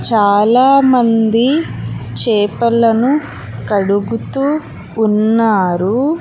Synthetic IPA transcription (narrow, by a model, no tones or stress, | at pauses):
t͡ʃaːlaːmɐnd̪it͡ʃɛːpɐlɐnu | kɐɽuɡut̪uː | nːaːɾu